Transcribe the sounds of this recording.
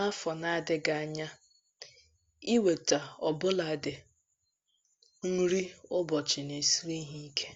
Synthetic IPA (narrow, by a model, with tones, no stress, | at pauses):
a˦fɔ˨na˨a˨dɪ˦ɡa˨a˨ɲa˦ | i˦we˨ta˨ɔ˨bʊ˦la˨dɪ˨ | ŋ̩˦ɾi˦ʊ˦bɔ˨t͡ʃɪ˨ne˨si˦ɾi˦ɦi˦kʰe˦